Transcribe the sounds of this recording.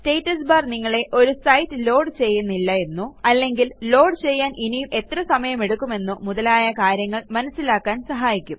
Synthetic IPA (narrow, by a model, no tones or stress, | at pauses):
ste̞ːtːɐsbaːrniŋːɐɭe̞ʔo̞ɾusɐjtːɨlo̞ːɖt͡ɕe̞jːunːilːɐe̞nːuɐlːe̞ŋɡillo̞ːɖt͡ɕe̞jːaːnʔinijumʔe̞t̪rɐsɐmɐjɐme̞ɽukːume̞nːɨmuðɐlaːjɐkaːɾjɐŋːɐɭmɐnɐsːilaːkːaːnsɐɦaːjikʲːum